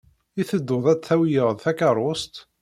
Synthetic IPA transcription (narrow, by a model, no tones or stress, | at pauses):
iθəd̪ːʊðˤæt͡sːθæwijəʁðθækɑɾˤʊst̪